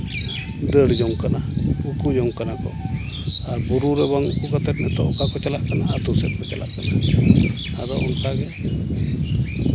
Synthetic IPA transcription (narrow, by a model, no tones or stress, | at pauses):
d̪əɽd͡ʒɔŋkanaukud͡ʒɔŋkanakɔ | aɾbuɾuɾɛbaŋukukat̪ɛt̪̚nɛt̪ɔ̰ʔkakɔt͡ʃalaʔkanaːt̪usɛt̚kɔt͡ʃala̰ʔkana | aɾɔɔnkaɡɛ